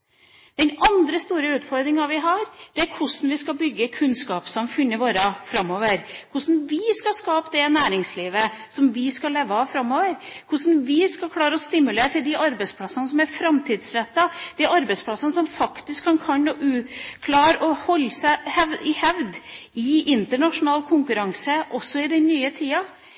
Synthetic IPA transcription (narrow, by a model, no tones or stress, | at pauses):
d̪̥ɛnʔɑnd̪ɾəst̪uːɾəʉːt̪fɔɾd̪ɾɪŋɑʋɪɦɑɾd̪̥ɛæɾkʰʊsn̩ʋɪskɑbʏɡːəkʰʉnskɑːpsɔmfʏnːəɾʋoːɾəfɾɑmːoːʋəɾkʰʊʂn̩ʋɪskɑskɑːpd̪ɛnæːɾɪŋsliːʋəsɔmʋɪskɑleːʋəɑfɾɑmːoːʋəɾkʰʊʂn̩ʋɪskɑlkʰlɑːɾəɔst̪ɪmʉleːʈ̪ʰɪld̪ɪʔɑɾbɛɪt̪spʰlɑsənəs̬ɔmæɾfɾɑmt̪ʰiːd̪sɾɛt̪ːɑd̪̥ɪʔɑɾbɛɪspʰlɑsənəsɔmfɑkt̪ɪskʰːɑnkʰɑnoʔʉkʰlɑːɾɔhɔlːsæhɛʋɪhɛʋd̪ɪɪnt̪əɳɑʂʊnɑːlkʰʊŋkʉɾɑŋsəʔɔsːɔɪd̪ɛnnːyːət̪ʰiːɑ